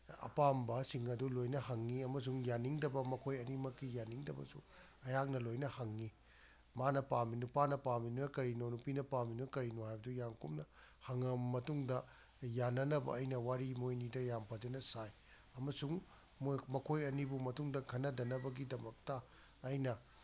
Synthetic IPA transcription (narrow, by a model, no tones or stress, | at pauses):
ɐ̰pambɐsiŋɐdulojnɐhɐŋːiɐmɐs̬uŋjaniŋdɐbɐmɐkʰojɐnimɐkːijaniŋdɐbɐ̰sṵɐjaŋnɐlojnɐhɐŋːi | manɐpaminupanɐpaminunɐkɐɾinonupinɐpaminuɐkɐɾinohajbɐdujaŋkumnɐhɐŋɐmɐtuŋdɐ | janɐnɐbɐ̰ɐjnɐwaɾimojnidɐjampʰad͡ʒɐnɐsaj | ɐmɐsuŋ | mmɐkʰojɐnibumɐtuŋdɐkʰɐnːɐdɐnɐbɐɡidɐmɐk̚tɐːjnɐ